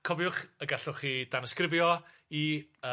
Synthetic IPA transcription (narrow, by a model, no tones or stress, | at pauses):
kʰɔvjʊχəɡaɬʊχiːd̥anɔskrɪvjɔ | iə